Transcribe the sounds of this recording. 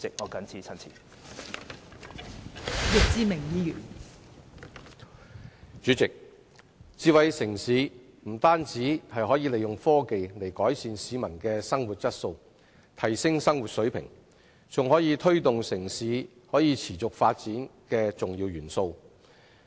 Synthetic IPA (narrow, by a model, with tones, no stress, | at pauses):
ɪ˨k̚ŋɔː˨˧kɐ˨˥nt͡sʰiː˨˥t͡sʰɐ˥nt͡sʰiː˨˩ | jɪ˨k̚t͡siː˧mɪ˨˩ŋjiː˧jyː˨˩n | t͡ʃyː˨˥t͡sɪ˨k̚ | t͡siː˨˧wɐ˨jsɪ˨˩ŋsiː˨˥ | m̩˨˩t̪aː˥nt͡siː˨˥hɐ˨jɦɔː˨˥jiː˧le˨jʊ˨ŋfɔː˥ke˨jle˨˩jkɔː˨˥jsiː˨nsiː˨˥mɐ˨˩nkɛː˧sɐ˥ŋwuː˨˩t̚t͡sɐ˥t̚so˧w | t̪ʰɐ˨˩jsɪ˥ŋsɐ˥ŋwuː˨t̚sɵ˨˥ɥpʰɪ̰˨˩ŋ | t͡sʊ˨ŋhɔː˨˥jiː˨˧t̪ʰɵ˥ɥt̪ʊ˨ŋsɪ˨˩ŋsiː˨˥ | hɔː˨˥jiː˨˧t͡sʰiː˨˩t͡sʊ˨k̚faː˧t̚t͡siː˨˥nkɛː˧t͡sʊ˨ŋjiː˧wɥyː˨˩nso˧w